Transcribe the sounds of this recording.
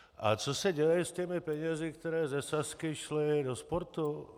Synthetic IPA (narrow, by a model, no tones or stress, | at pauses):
ʔa̰t͡sɔsaɟɛjɛusc̪ɛmipɛɲɛzikt̪ɛɾɛːzɛsaskiʃlɪd̪ɔspɔɾt̪u